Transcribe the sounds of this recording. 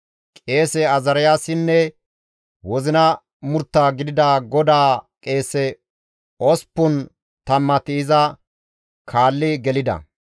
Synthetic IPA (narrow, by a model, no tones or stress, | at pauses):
kʼe̞ːsɛɐzɐɾɪjaːsɪnːɛ | wɔzɪnɐ | mʊɾt̪ːaːɡɪd̪ɪd̪aɡɔd̪aːkʼe̞ːsɛ | ɔspːʊn | t̪ɐmːɐt̪ɪːzɐ | kʰaːlːɪɡɛlɪd̪ɐ̰